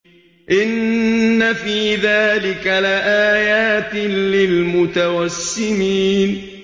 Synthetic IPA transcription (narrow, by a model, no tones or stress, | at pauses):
ʔɪnːafiːðaːlɪkalɪʔaːjaːt̪lɪlmʊt̪awasːɪniːn